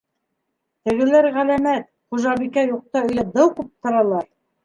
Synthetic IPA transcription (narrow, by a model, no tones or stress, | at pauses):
t̪ɘ̆ɡɘ̆læɾʁælæmæt̪̚ | χuʒɑβikæjuq̚t̪ɑɵ̆jlæd̪ɤwkʉp̚t̪ɤ̆ɾɑlˠɑɾ